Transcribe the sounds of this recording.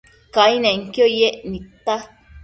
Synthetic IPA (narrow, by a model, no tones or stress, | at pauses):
kainãiŋkojeʔnĩt̪a